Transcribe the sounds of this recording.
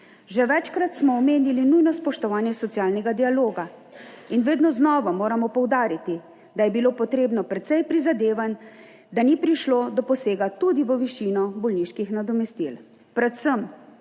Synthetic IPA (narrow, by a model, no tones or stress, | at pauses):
ʒɛʋɛt͡ʃkɾat̪smɔːmeːnilinujnɔspɔʃt̪ɔʋaːnjɛsɔt̪sijaːlnɛɡad̪ialoːɡa | inʋeːd̪nɔznɔːʋamoːɾamɔpɔwd̪aːɾit̪i | d̪ajɛbiloːpɔt̪ɾeːbnɔpɾɛt̪sɛjpɾizad̪eːʋan | d̪anipɾiʃloːd̪ɔpɔseːɡat̪ud̪iʋəʋiʃinɔbɔlniʃkixnad̪ɔmɛst̪il | pɾɛt̪səm